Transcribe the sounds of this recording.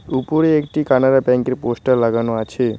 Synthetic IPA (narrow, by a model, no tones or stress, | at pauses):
upuɾeekʈikanaɾapɛ̃ŋkeɾposʈəɾlaɡanoat͡ʃʰe